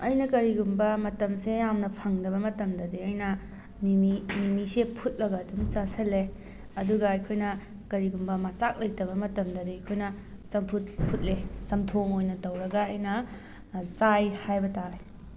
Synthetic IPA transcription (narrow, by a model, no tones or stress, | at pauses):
ɐjnɐkɐɾiɡumbɐmɐtɐmsejamnɐpʰɐŋdɐbɐmɐtɐmdɐdiɐjnɐ | mimiminisepʰut̚lɐɡɐdumt͡ʃɐsɐle | ɐduɡɐɐjkʰojnɐ | kɐɾiɡumbɐmɐsak̚lɐjtɐβɐmɐtɐmdɐdiɐjkʰojnɐ | sɐmpʰut̚pʰut̚lesɐmtʰoŋojnɐtɐwɾɐɡɐɐjnɐ | zajhajbɐtae